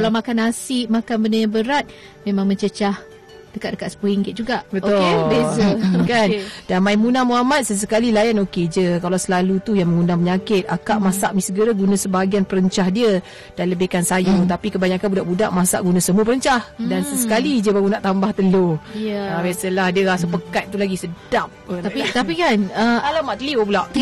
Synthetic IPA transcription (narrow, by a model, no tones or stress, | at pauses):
kalawmakanasɪʔmakanbəndəjaŋbəɾat̪̚ | mẽmãŋməɲt͡ʃət͡ʃah | d̥əkaʔ̚dəkaʔsə̥pəiŋɡɪt̪̚d͡ʒuɡaʔbəobesəkandanmaimunamuɦamat̪̚səs̬əkalilajanoked͡ʒəkalawsəlalut̪ujaŋməŋunaməɲakɪt̪̚akaʔmasaʔmisəɡəɾəɡunasəbaaɡianpəɾəɲt͡ʃahdiə | d̥anləbekansajut̪apikəbaɲakanbudaʔbudaʔmasa̰ʔɡunasəmuəpəɾəɲt͡ʃahdansəsəkalid͡ʒəbaɡunaʔt̪ambaht̪əlojəbesəlahdiəasəpəkat̪̚t̪ulaɡisədap̪̚ait̪apikanəalamaʔt̪əliobulaʔ̪